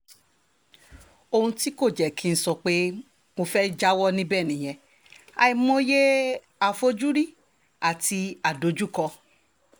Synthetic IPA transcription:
o˧hũ˧ti˦ko˦˨d͡ʒɛ˨kʰi˨˦n̩˨˦sɔ˧k͡pe˦ | mo˧fɛ˦d͡ʒa˦wɔ˦nĩ˦bɛ˦˨nĩ˨j̃ɛ̃˧˨ | a̰˧i˧mõ˦je˦ | a˨fo˧d͡ʒu˦ɾi˦˨ | a˨ti˧a˨do˨˦d͡ʒu˦˨kɔ˧

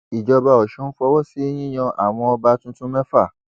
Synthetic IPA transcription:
i˨d͡ʒɔ˧ba˧ɔ˨ʃɛ˨˦n̩˦fɔ˧wɔ˦si˦j̃ĩ˦j̃ã˧ʔa˨w̃ɔ̃˧ɔ˧ba˧tũ˦tũ˦mɛ̃˦fa˦˨

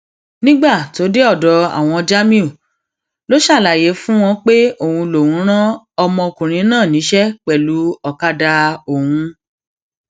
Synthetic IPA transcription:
nĩ˦ɡ͡ba˦˨to˨˦de˦ɔ˦˨dɔ˧a̰˨w̃ɔ̃˧d͡ʒa˦mĩ˦o˦˨ | lo˦ʃa˦˨la˨je˨˦fũ˦w̃ɔ̃˧k͡pe˦o˦˨hũ˧lo˨wũ˨˦ɾ̃ã˦ | ɔ˧mɔ̃˧o˧kũ˨ɾ̃ĩ˨˦nãː˦˨nĩ˨˦ʃɛ˦k͡pɛ˦˨lu˨˦ɔ˨ka˧da˧o˨hũ˧

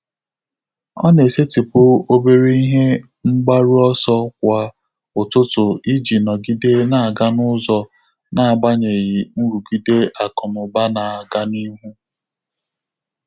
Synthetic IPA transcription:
ɔ̰˦ne˨se˦ti˨pʊ˦o˦be˦ɾe˦i˦ɦe˦ | ŋ͡m̩˦ɡ͡ba˦ɾi˦ɔ˦sɔ˦k̚ʷa˨ | ʊ˨tʊ˦tʊ˨i˦d͡ʒi˨nɔ˨ɡi˦de˦na˨a˨ɡa˦nʊ˦zɔ˦ | na˨a˨ɡ͡ba˦ɲe˨ɣi˨m̩˦ɾu˨ɡi˦de˦ʔa˨kɔ˨mʊ˨ba˦na˨a˨ɡa˦ni˦ɦu˦

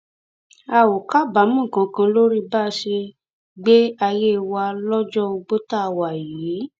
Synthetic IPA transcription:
a˧˨wo˨ka˦ba˨˦mũ˦˨kã˨˧kã˧lo˦ɾi˦ba˦ʃe˧ | ɡ͡be˦a˧je˦˧wa˧lɔ˦d͡ʒɔ˦o˧ɡ͡bo˦ta˦˨wa˨jiː˨˦

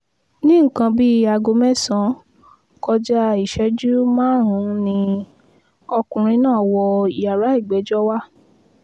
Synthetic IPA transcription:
nĩ˦ŋ̩˦˨kã˧bi˦a˧˨ɡo˧mɛ̃˦˨sã˨˦ | kɔ˧d͡ʒa˦i˨ʃɛ˨˦d͡ʒu˦mãː˦ɾ̃ũ˨˦nĩ˧ | ɔ˧kũ˨ɾ̃ĩ˧˦nãː˦˨wɔ˧i˨ja˨ɾa˨˦i˦˨ɡ͡bɛ˨˦d͡ʒɔ˦wa˦

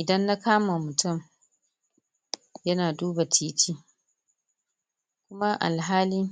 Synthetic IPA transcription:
ʔɪ˨dɐ˦nːa˦kaː˦ma˨mʊ˨tʊ˦˨m | jɐ˦naː˨duː˦ba˨tiː˦tiː˦ | kʷʊ˦ma˦ʔa̰˨lɦaː˦liː˦

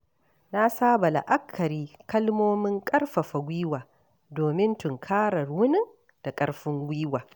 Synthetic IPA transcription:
na˦saː˦ba˨la̰˨ʔa˦kʰːɐ˨ɾiː˦kɐ˦lmoː˦mɪ˦ŋkʼɐ˦rɸɐ˨ɸa˨ɡʷiː˦waː˨ | doː˨mɪ˦ntʊ˨ŋkʰaː˦ɾɐ˨rwʊ˦nɪ˦ŋ | d̥a˨kʼɐ˦ɽɸɪ˦ŋɡʷiː˦waː˨

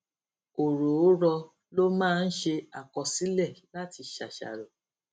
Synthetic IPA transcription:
o˨ɾo˨o˨˦ɾɔ˧ | lo˦mãː˦˧n̩˦ʃe˧a˨kɔ˧si˨˦lɛ˦˨la˦˨ti˧ʃa̰˨ʃa̰˨ɾɔ˨

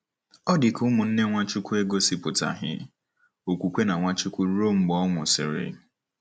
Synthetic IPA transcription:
ɔ˦dɪ˨ku˦mʊ˨n̩˦ne˦ŋʷa˦t͡ʃʊ˦kʷu˦e˦ɡo˦si˦pʊ˨ta̰˨ɦɪ̰˦ | o˨kʷu˨kʷe˦na˨ŋʷa˦t͡ʃʊ˦kʷu˦ɾo˦˨ŋ͡m̩˦ɡ͡bɔ˦ŋʷʊ˨sɪ̰˨ɾɪ̰˨˦

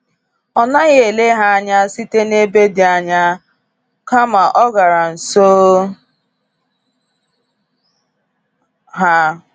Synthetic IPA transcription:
ɔ˨na˦ɣe˦˨e˨le˦ɦa˦a˦ɲa˦si˦te˦ne˦be˦dɪ˨a˨ɲa˦ | ka˦ma˨ʔɔ˦ɡa˨ɾa˨n̩˨so˦ | ɦa˦

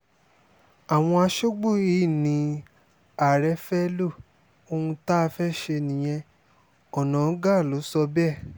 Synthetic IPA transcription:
a˨w̃ɔ̃˧a˧ʃo˦ɡ͡bo˦˨i˦˨nĩ˨˧ | a˨ɾɛ˨˦fɛ˦lo˦˨ | o˧hũ˧ta˦˧fɛ˦ʃe˧nĩ˨j̃ɛ̃˧ | ɔ˨nã˨˦ɡa˦˨lo˨˦sɔ˧bɛ˦˨

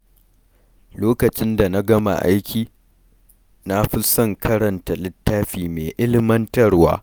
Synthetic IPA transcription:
loː˦kɐ˨t͡ʃɪ˦nda˨na˦ɡɐ˦ma̰˨ʔa̰˦jkʲʰiː˨ | na˦ɸɪ˦sɐ˦˨ŋkʰɐ˦ɾɐ˨nta˨lɪ˦tːaː˦ɸiː˨meː˨ʔɪ˦lɪ˦mɐ˦ntɐ˦rwa̰ː˦

